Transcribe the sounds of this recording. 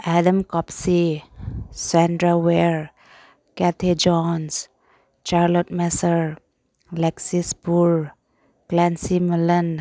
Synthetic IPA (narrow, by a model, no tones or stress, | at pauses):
ɛdəmkɔpsi | sɛ̃nɖɾaweɾ | kɛt̪ʰed͡ʒɔns | t͡ʃaːɾloʈmɛsəɾ | lɛksispuɾ | klɛ̃nsimɪlən